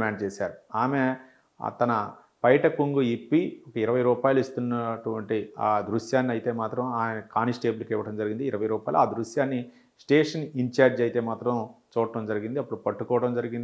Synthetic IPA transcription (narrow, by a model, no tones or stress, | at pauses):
maːɳɖt͡ʃeːsaːɾuaːme | ɐ̰t̪ɐnɐ | pɐjʈɐkuŋɡuipːiɔkɐiɾɐʋɐjɾuːpaːjluist̪unːɐʈuʋɐɳʈiaːd̪ɾuʂjaːnːiɐjt̪e̞ːmaːt̪ɾɐmaːmjenɐkaːnisʈe̞ːbulkɛʋɐʈɐmd͡ʒɐɾiɡind̪iːɾɐʋɐjɾuːpaːjluaːd̪ɾuʂjaːnːi | sʈeːʂɐniɲt͡ʃaːɾd͡ʒɐjt̪e̞ːmaːt̪ɾɐmt͡ʃuːɐʈɐmd͡ʒɐɾiɡind̪iɐpːuɽupɐʈːukɔːʋɐʈɐmd͡ʒɐɾiɡind̪i